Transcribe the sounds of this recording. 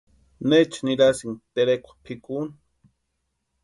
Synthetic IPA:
net͡ʃniɾasiŋt̪eɾekʷḁpʰikun

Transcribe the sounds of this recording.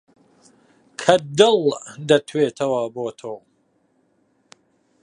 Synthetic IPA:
kʰɐd̪ɨlˠd̪ɐt̪ʰweːt̪ʰɐwɐboːt̪ʰow

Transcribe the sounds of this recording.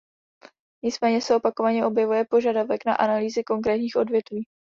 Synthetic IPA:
ɲɪt͡smɛːɲɛsɛo̞pako̞vaɲɛʔo̞bjɛvujɛpo̞ʒadavɛkna̰ʔanaliːzɪko̞ŋkɾɛːt̪ɲiːxʔo̞dvjɛt̪viː

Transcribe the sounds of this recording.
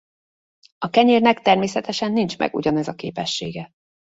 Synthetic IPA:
ɒkɛɲeːrnɛkt̪ɛrmeːsɛt̪ɛʃɛnːint͡ʃmɛ̰ɡṵɟɒnɛzɒkḛːpɛʃːeːɡɛ

